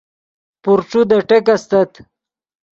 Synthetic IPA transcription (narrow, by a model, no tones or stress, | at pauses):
puɾʈ͡ʂud̪ɐʈekast̪ɐt̪